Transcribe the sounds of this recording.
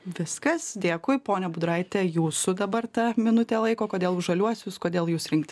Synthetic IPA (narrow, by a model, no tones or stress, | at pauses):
ʋʲɪskɐsd̪ʲeːkʊɪpoːnʲɛbʊd̪ɾɐɪt̪ʲɛjuːsʊd̪ɐbɐrt̪ɐmʲɪnʊt̪ʲeːlˠɐɪkoːkoːd̪ʲeːlˠʊʒɐlʲuɔsʲʊskoːd̪ʲeːlˠjuːsɾʲɪŋkt̪ʲ